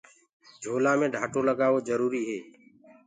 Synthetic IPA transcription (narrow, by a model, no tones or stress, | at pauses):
d͡ʒʱoːlãːmẽːɖʱaːʈoːləɡaːʋoːzəɾuːɾiːɦeː